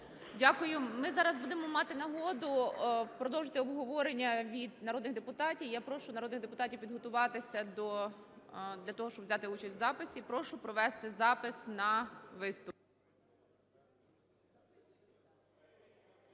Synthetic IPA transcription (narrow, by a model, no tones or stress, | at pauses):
dʲakʊjʊmɪzɑɾɐzbud̪ɪmɔmɑt̪ɪnɐɦɔd̪ʊpɾɔd̪ɔwʒet̪ɪɔbɦɔʋɔɾenʲːɐʋʲid̪nɐɾɔd̪nɪɣd̪epʊt̪ɑtʲiwjapɾɔʃʊnɐɾɔd̪nɪɣd̪epʊt̪ɑtʲiwpʲid̪ɦɔt̪ʊʋɑt̪ɪsʲɐd̪ɔ | d̪lʲɐt̪ɔɦɔʃt͡ʃɔbʋzʲat̪ɪut͡ʃɐsʲtʲzɑpɪsʲipɾɔʃʊpɾɔʋɛst̪ɪzɑpɪsnɐʋɪst̪ʊp̚